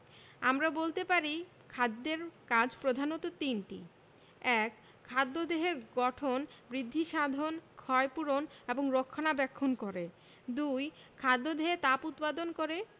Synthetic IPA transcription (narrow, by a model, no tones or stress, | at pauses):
a̰mɾabolt̪epaɾi | kʰad̪ːeɾkad͡ʑʱpɾod̪ʱanot̪ot̪inʈḭ | ɛkʰː | ad̪ːod̪eɦeɾɡɔʈʰonbɾid̪ʱːiʃad̪ʱonkʰɔepuɾoneboŋɾokʰːanabɛkʰːonkoɾe | d̪ujkʰad̪ːod̪eɦet̪aput̪pad̪onkoɾe